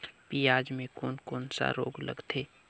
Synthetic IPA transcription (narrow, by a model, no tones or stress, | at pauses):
pijaːd͡ʒmẽkoːnkoːnsa̰ɾo̰ːɡlə̰ɡt̪ʰeː